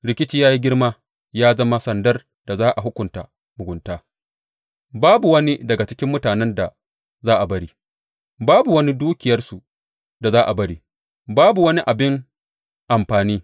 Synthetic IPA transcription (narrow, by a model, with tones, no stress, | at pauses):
ɽɪ˨kʲɪ˦t͡ʃiː˦jaː˦ji˦ɡʲɪ˦rma˦ | jaː˦zɐ˦ma˦sɐ˨ndɐ˦r | d̥a˨zaː˦ʔa˨ɦʊ˦kʷʊ˨nta̰˨ | mʊ˨ɡʷʊ˨ntaː˦ | baː˦bu˨wɐ˦ni˦dɐ˨ɡa˨t͡ʃɪ˦kʲɪ˦mːʊ˦taː˨nɛ˦nda˨ | zaː˦ʔa˨bɐ˦ɽiː˦ | baː˦bu˨wɐ˦ni˦duː˦kʲɪ˨jɐ˦rsu˨ | da˨zaː˦ʔa˨bɐ˦ɽiː˦ | baː˦bu˨wɐ˦ni˦ʔa˨bɪ˦ŋ | ʔa˨mɸaː˨niː˦